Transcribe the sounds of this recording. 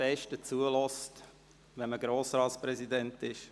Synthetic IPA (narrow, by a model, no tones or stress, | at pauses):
ɛʃtət͡suəlɔst | ʋɛnməɡɾoːsɾɑːtspɾɛzidɛntɪʃ